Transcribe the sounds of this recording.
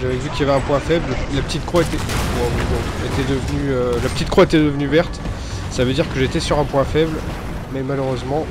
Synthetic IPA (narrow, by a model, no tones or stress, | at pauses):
ʒavɛvykʲiljavɛɛ̃pwɛ̃fɛbləlapə̥t̪it̪kχaet̪ɛbɛ̃b̃bɔ̃ | et̪ɛd̪əvənyølapə̥t̪it̪kχwoet̪ɛd̪əvənyvɛʁt̪ | savød̪iʁkəʒet̪ɛsyʁɛ̃pwɛ̃fɛbl | mɛmaløʁøzmɑ̃